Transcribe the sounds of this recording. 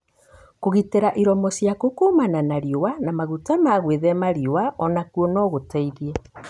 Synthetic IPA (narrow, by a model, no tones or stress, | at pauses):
koɣiteɾaʔiɾɔmɔsjakokumananaɾiowanamaɣutamaɣweðɛmaɾiowaʔɔnakuɔnɔɣotɛiðiɛ